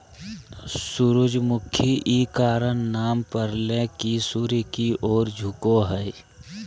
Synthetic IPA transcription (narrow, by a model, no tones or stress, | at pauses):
sʊɾʊd͡ʒmʊkʰːjiʔiːkaːɾənːaːmpəɾlẽkisuɾikiʔɔːɾd͡ʒʱʊkoɦɛj